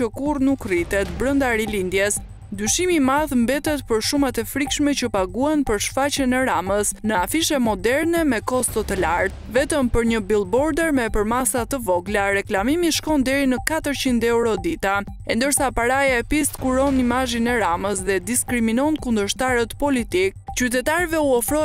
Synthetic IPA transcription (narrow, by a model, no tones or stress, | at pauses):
əkurnukrit̪ɛt̪bɾənd̪aɾilind̪jɛs | d̪yʃimimaðmbɛt̪ɛt̪pəɾʃumat̪ɛfɾikʃmɛt͡ɕəpaɡuanpəɾʃfat͡ɕənɛɾaməsnəafiʃɛmɔd̪ɛɾnɛmɛkɔst̪ɔt̪əlaɾt̪̚vɛt̪əmpəɾɲəbilˠbɔɾd̪ɛɾmɛpəɾmasat̪əvɔɡlaɾɛklamimiʃkɔnd̪ɛɾinəkat̪əɾt͡ɕind̪ɛuɾɔd̪it̪a | ɛnd̪əɾsapaɾajaɛpist̪kuɾɔnimaʒinɛɾaməsðɛd̪iskɾiminɔnkund̪əɾʃt̪aɾət̪pɔlit̪ik̚t͡ɕyt̪ɛt̪aɾvɛuɔfɾɔ